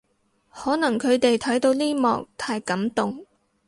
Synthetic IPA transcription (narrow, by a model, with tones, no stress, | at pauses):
hɔː˨˥nɐ˨˩ŋkʰɵ˨˧ɥt̪e˨jt̪ʰɐ˨˥jt̪o˨˧wliː˥mɔ̰ː˨k̚t̪ʰaː˧˥jkɐ˨˥mt̪ʊ˨ŋ